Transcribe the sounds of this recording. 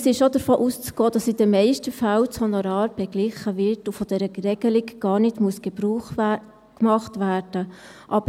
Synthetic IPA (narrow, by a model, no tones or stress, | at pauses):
sɪʃʃodəɾfoːʔust͡sɡ̥ɔːd̥ɑsid̥əmɛɪʃtəfalt͡shɔnɔɾɑːɾb̥ɛɡlɪχəvɪɾtʊfɔd̥ɛɾəɾɛɡ̥əlɪkɡ̥ɑːɾnɪtmuəsɡ̥ɛbɾuːχ | kmɑχtʋæːɾd̥əʔɑbə